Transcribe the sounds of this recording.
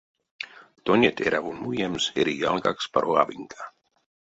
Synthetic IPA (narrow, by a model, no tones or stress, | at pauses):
t̪onʲet̪ʰeɾavunujɛmseɾijalɡakspaɾʔoa̰viŋkʰa